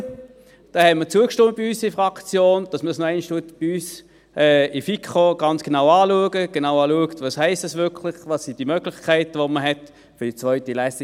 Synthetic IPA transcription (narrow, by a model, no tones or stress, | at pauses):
d̥ɛhɛtmət͡suəkʃtɪmət̚b̥iyːsifʁɑkt͡sjoːnd̥ɑsməsnoæɪnʃtuətb̥iyːs | ʔɛːɪfikʰχoɡ̥ɑnt͡sɡ̥enaʊɑːluəɡəɡ̥enaʊɑːluəktvɑshɛɪstɛsvʏkʰlɪχvɑsːid̥imøɡlɪχkʰæɪtəʋoməɦɛt | fʏd̥it͡svœʏtilæsi